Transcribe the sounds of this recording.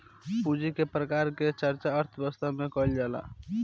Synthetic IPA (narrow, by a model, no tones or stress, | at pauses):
pud͡ʒikepɾəkaɾket͡ʃəɾt͡ʃaəɾt̪ʰbəst̪amekɔjld͡ʒala̰